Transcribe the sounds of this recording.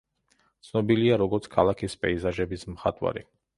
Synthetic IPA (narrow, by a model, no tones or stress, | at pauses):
t̪sʰnɔbiliaɾɔɡɔɾt̪sʰkʰalˠakʰispʼɛizaʒɛbismχat̪ʼwa̰ɾḭ